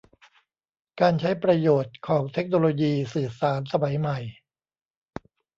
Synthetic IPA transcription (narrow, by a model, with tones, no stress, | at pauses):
kaː˧nt͡ɕʰa˦˥jpɾa˧joː˨˩t̪̚kʰɔː˩˦ŋt̪ʰe˦˥k̚noː˧loː˧jiː˧sɯː˨˩saː˩˦nsa˧ma˩˦jma˨˩j